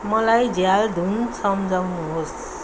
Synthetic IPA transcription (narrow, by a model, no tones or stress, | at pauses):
mʌlajd͡ʒjald̪ʱunsʌmd͡ʒawnuɦos